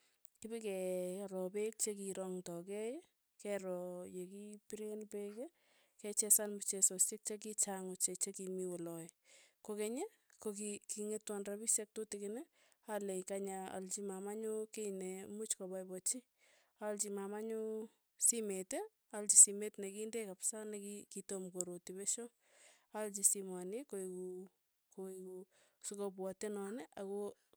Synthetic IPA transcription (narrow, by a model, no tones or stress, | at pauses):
kɪbikɛɾɔpek̚t͡ʃekiɾɔŋtɔkɛj | kɛɾɔjekipiɾenpeke | kɛt͡ʃɛsanmut͡ʃesosek̚t͡ʃek̬it͡ʃaŋʊt͡ʃet͡ʃekimiwɔlɔkokeɲe | kokikiŋetwanrabisek̚totikɪnɛ | alekaɲaa̰lt͡ʃimamaɲukeinemut͡ʃkɔbajbɔt͡ʃi | alt͡ʃimamaɲu | simete | alt͡ʃisimetnekindekapsanekikitomkoɾotibɛʃo | alt͡ʃisimanekoiku | koikusɪkop̬wɔtenɔnɛʔako